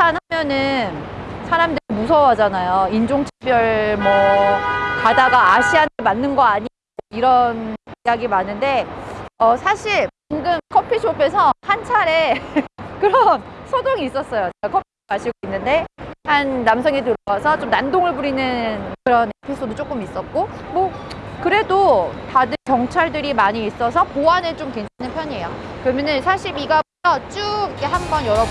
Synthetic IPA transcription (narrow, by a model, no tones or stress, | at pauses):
anhamjʌnɯnsʰaɾamdɯɾimusʰʌwad͡ʑanajoind͡ʑoŋt͡ɕʰi̥bjʌɭmʌ | kadaɡaːɕʰiɦanɯmanːɯnɡʌaɲi | iɾʌnijaɡimanɯnde̞ʌsʰaɕʰiɭ | iŋɡɯmkʰʌpʰiɕʰopʰe̞sʰʌhant͡ɕʰaɾe̞ | kɯɾʌnsʰodoŋiːs͈ʌs͈ʌjot͡ɕekakʰʌpʰikaɕʰiɡoinːɯnde̞hanːamsʰʌŋet̬ɯɾʌɡwasʰʌt͡ɕ͈omnandoŋɯɭbuɾinɯnnkɯɾʌne̞pʰisʰodot͡ɕ͈ok͈ɯmis͈ʌt̚k͈omokɯɾe̞dotadɯkjʌŋt͡ɕʰaɭdɯɾimaɲiːs͈ʌsʰʌpoanet͡ɕ͈omke̞ŋt͡ɕʰanɯnpʰjʌɲejokɯɾʌmjʌnɯnsʰaɕʰiɾiɡabutʰʌt͡ɕ͈uɡikeɦambʌnjʌɾʌb